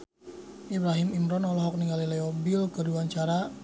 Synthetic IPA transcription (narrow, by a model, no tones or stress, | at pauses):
ʔibɾaɦimimɾɔnɔlɔɦɔk̚niŋɡalilɛɔbilkəduwaɲt͡ʃaɾa